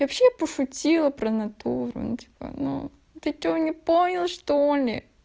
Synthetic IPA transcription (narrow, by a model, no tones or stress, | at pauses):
vɐpɕepəʂʊtʲilˠəpɾənɐt̪uɾʊ̰nutʲi̥pə̰nṵ | t̪ɨt͡ɕovnʲɪponʲəlˠʂt̪olʲɪ̰